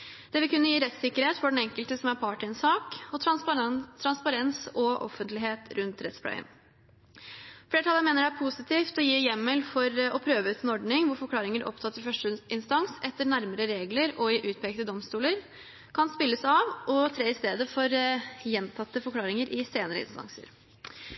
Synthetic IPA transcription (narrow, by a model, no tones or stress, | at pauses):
d̪̥ɛʋɪkʰʉnːəjiːɾɛt̪sɪkːəɾheːt̪fɔɖɛnɛŋkəlt̪əsɔmæɾpʰɑːʈɪənsɑːkɔt̪ʰɾɑnt̪ʰːɾɑnspɑɾɛnsɔʔɔ̰fːənt̪lɪɦeːt̪ɾʉnt̪ɾɛt̪splɑ̰ɪə̰n | fleːʈʰɑlːənmeːnəɖæɾpʰusɪt̪ʰiːft̪ɔjiːjɛmːɛlfɔɾɔpʰɾøːʋəʉːt̪ɛnɔɖɳɪŋʋʊɾfɔɾkʰlɑːɾɪŋəɾʔɔ̰pt̪ʰɑt̪ːəɾfœʂʈəɪnst̪ɑŋsɛt̪ːəɳæɾməɾəɾeːɡləɾɔiʔʉːt̪̚pʰɛːk̚t̪əd̪ɔmst̪uːləɾ | kʰɑnspɪlːəsɑʋʔɔt̪ʰɾeːɪst̪eːd̪əfɔɾjɛnt̪ʰɑt̪ːəfɔɾkʰlɑːɾɪŋəɾʔɪseːnəɾə̰ɪ̰nst̪ɑ̰ŋsə̰ɾ